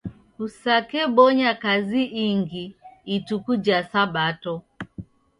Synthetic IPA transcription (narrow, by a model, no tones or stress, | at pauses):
usakɛɓɔɲakaziʔiŋɡiːtukud͡ʒasaɓatɔ